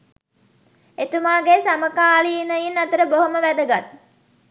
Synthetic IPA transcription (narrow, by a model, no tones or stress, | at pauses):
et̪umaːɡesaməkaːliːnəjinːat̪əɾəboɦoməʋæd̪əɡat̪̚